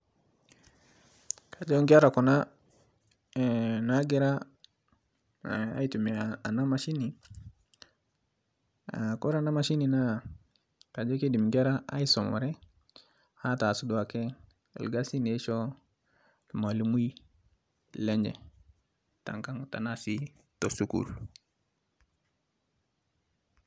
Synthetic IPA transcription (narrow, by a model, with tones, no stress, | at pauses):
ka˨d͡ʒo˦ŋɡi˦a˦ɾa˨kɔ˨na˦˨ | na˦ɡɛ˦ɾa˦˨ | a̰˦i˦tu˨me˨a˨na˦ma˨ʃi˦ni˨ | ako˦ɾa˨na˦ma˨ʃi˦ni˨na˦˨ | ka˨d͡ʒɛ˦ke˦di˨m˨ɡa˦ɾa˦a̰˦i˦sɔ˨m̰˨ɾɛ˦ | ha˦ta˨su˦du˨a˨kḛ˦˨ | lɡa˦si˦ne˨˦ʃo˦ | lma˨li˨mu˦i˦ | le˦ɲd͡ʒɛ̰˨ | ta̰˨ŋka˦ŋta̰˨na˦si˦ | to˨su˦kṵ˦l